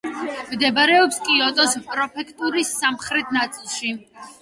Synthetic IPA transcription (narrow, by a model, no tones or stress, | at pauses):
md̪ɛbaɾɛɔpskʼiɔt̪ʼɔspʼɾɔpʰɛkʰt̪ʼuɾisːamχɾɛt̪ʰnat̪sʼilˠʃi